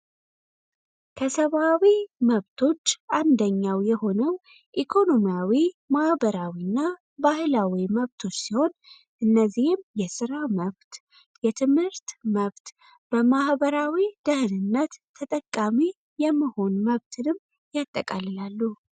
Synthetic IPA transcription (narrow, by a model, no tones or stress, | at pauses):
kʰəsəβawiməβt̪ʰo̞t͡ʃːʔand̪əɲːawjɛho̞nəw | ʔikʰo̞no̞mijawimahbəɾawinːa | bahɨlawiməβt̪ʰo̞t͡ʃːsiho̞n | ʔɨnːəzihɪmjɛsɨɾaməβt̪ | jɛt̪ʰɨmhɨɾt̪məβt̪ | b̥əmahbəɾawid̪əhɨnɨnːət̪ːʰət̪ʼəkʼːami | jɛmːəho̞nməβt̪ʰɨnɨmː | jat̪ʼːəkʼalɨlalːu